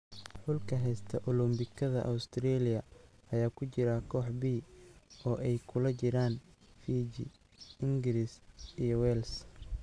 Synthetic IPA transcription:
ħʊlkʰɐɦɛjst̪ʰɐʔʊlʊmbɪkʰɐðɐʔɐwst̪ʰɾɛːlɪjɐɐjaːkʰʊt͡ʃɪɾɐkʰɔːħbiːɔːʔɛjkʰʊlɐt͡ʃɪɾaːnfiːd͡ʒḭ | ɪŋɡɪɾisijɔwɛls

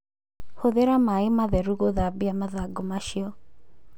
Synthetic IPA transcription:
hoðeɾamaɪmaðɛɾuɣoðabiamaðaɡomaʃiɔ

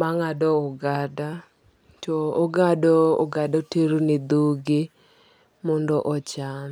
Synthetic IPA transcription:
maŋadɔɔɡada | tɔoɡadɔoɡadɔteɾunid̪uɡɪ | mɔndɔʔɔt͡ʃan

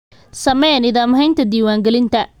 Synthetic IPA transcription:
sɐmɛnɪðaːmɦɐjnt̪ʰɐd̪iːwaːŋɡɛlɪnt̪ʰɐ

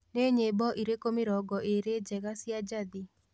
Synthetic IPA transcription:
neɲebɔʔiɾekomeɾɔɡɔʔeɾed͡ʒɛɣasjad͡ʒaði

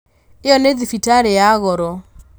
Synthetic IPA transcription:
eɔneðifitaɾejaɣɔɾɔ

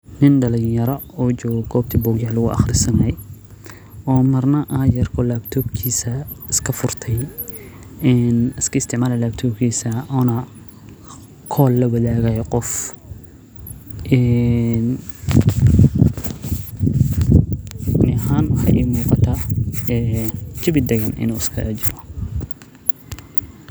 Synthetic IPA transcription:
nɪnɖɐlɪɲjɐɾɔuːt͡ʃɔːɣɔɡɔːbt̪ʰibɔɡjaːlʊɣʊʔɑ̰χrɪsɐnɛj | ʔɔːmɐrnɐʔaːjɐrkʰɔlaːbt̪ʰɔːbkʰiːsɐɪskʰɐfʊrt̪ʰɛj | ɛnɪskʰɐɪst̪ʰɪʕmaːlɐlaːbt̪ʰɔːbkʰiːsɐɔːnɐ | kʰɔːlːɐwɐðaːɣɐjqɔf | ʔɛn | nɪhaːnwɑħɑ̰jʔɛ̰muːqɑt̪ʰaɛt͡ʃɪβɪd̪ɐɣɐnʔɪ̰nuːɪskʰɐʔt͡ʃɪɾɔ

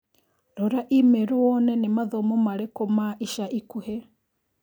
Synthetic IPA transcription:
ɾoɾaʔimeɾowɔnɛnemaðomomaɾekomaʔiʃaʔikuhe

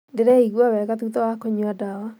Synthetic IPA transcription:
ndeɾɛiɣwawɛɣat̪utɔwakoɲuadawa

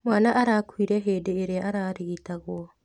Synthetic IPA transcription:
mwaːnaʔaɾakwiɾɛɦeːdeːɾeaʔaɾaːɾiitaɣwa

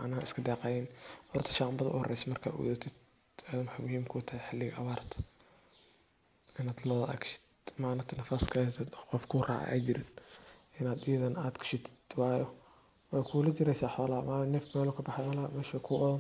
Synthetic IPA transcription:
maʕnɐɐɪskʰɐd̪ɛːqɑjɛnhɔrt̪ʰɐ̥ʃaːmbɐðɐʔʊ̰hɔrɛ̰jsɐmɐrkʰa̰ːwɔ̰ðɐt̪ʰɪd̪ | aːðmħajmʊhiːmkʰʊt̪ʰɐhɛħɪlɪɣɐʔɐβaːrt̪ʰɐ̥ | ʔɪnaːd̪lɔːðɐʔɐ̰kʃɪ̥d̪maʕnɐt̪ʰɐnɐfaːskʰɐɛt̪ʰɛd̪ɔqɔfkʰʊːrɑ̰ːʕa̰ʔa̰ːt͡ʃɪɾɪnʔɪnaːd̪ɪjɐðɐnaːd̪kʰɐ̥ʃɪt̪ʰɪ̥d̪̥wɑːjɔ | wɛjkʰulɐt͡ʃɪɾɛjsaːħɔːlɐːmɐnɛfmɛːlɔkʰɐbɑħɛmɐlamɛːʃɐkʰʊːʔɔðɐn

